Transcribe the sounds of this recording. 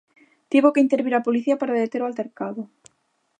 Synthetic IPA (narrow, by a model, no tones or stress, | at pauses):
t̪iβokeint̪eɾβiɾapoliθiɐpaɾaðeet̪eɾoalt̪eɾkaðʊ